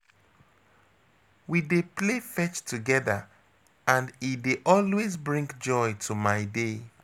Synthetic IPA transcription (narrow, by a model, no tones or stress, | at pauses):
wideplefɛt͡ʃtʰuɡɛðə | ãndideʔɔlwezbɹĩŋɡd͡ʒɔɪtʰumaɪde